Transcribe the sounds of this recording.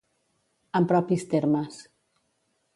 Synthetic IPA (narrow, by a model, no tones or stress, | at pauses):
ampɾɔpist̪eɾmas